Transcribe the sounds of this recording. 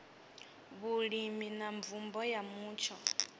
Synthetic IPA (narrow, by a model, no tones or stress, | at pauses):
βuɺiminaɱvumbɔjamuːt͡ʃʰɔ